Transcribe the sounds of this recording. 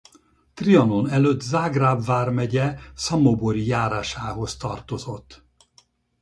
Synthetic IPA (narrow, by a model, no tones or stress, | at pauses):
t̪riɒno̞nɛløːt̪ːzaːɡraːbvaːrmɛɟɛsɒmoboɾijaːɾaːʃaːɦo̞st̪ɒrt̪o̞zo̞t̪ː